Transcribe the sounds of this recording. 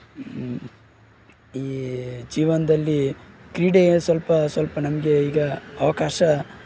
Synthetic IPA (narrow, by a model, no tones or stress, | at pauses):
iːd͡ʒiːʋɐnɐd̪ɐlːikɾiːɖesʋɐlpɐsʋɐlpɐnɐmɐɡeiːɡɐːʋɐkaːʃɐ